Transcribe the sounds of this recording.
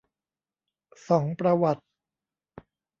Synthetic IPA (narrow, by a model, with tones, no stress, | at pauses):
sɔː˩˦ŋpɾa˧wa˨˩t̪̚